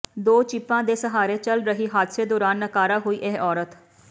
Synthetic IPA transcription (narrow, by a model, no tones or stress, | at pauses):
d̪oːt͡ʃɪpːãːd̪eːsəɦaːɾeːt͡ʃəlɾəɦiːɦaːd̪seːd̪oːɾaːnːəkaːɾaːɦoːiːʔeɦʔɔːɾət̪